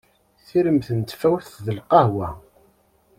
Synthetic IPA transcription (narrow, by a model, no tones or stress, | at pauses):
θiɾəmθənt̪fæwθðəlqɑhwæ